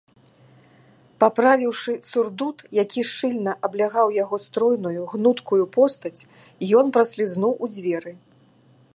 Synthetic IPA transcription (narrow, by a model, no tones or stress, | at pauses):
papɾavʲiwʂɨsurd̪ut̪jakʲiʂɨlʲnɐʔɐblʲaɣawjaɣɔst̪ɾɔjnujuɣnut̪kujupɔst̪ɐt͡sʲ | ijɔnpɾɐsʲlʲiznuwʔud͡zʲvʲɛɾɨ